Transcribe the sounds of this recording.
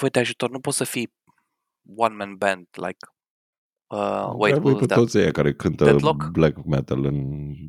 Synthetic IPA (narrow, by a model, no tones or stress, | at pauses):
vojt̪eaʒut̪ornupot̪səfi | wãnmɛ̃nbɛ̃nd̪la̰ɪk | əwejavipɔt̪otseajkaɾekʰɨnt̪əlokblɛkmɛt̪ələ̃n